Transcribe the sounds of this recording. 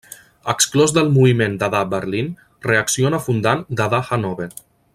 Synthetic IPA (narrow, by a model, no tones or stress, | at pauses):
əksklɔzðəlˠmuβimend̪aðabəɾlin | reəksionafund̪and̪aðaxanɔβe